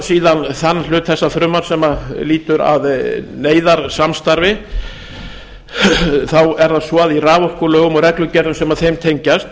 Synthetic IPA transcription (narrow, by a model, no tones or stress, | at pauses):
siːðanθanːlʏːt̪θɛsːaθɾʏːmːaɾ̥sɛmaliːt̪ʏɾa̰ðneːjðaɾsamst̪aɾvɪ | θawɛɾθaðsvɔaðiraːvɔhkʏlœːɣʏmɔɾɛklʏcɛɾðʏmsɛmaðθejmt̪ʰejɲcast̪̚